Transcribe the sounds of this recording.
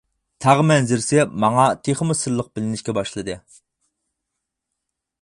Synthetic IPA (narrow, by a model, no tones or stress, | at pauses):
t̪ʰɑʁmɛnzɪɾsɪmɑŋɑt̪ʰeχmɨsɨɾlˠəq̚bɪlɪnɪʃkʲɛbɑʃlˠɨd̪ɨ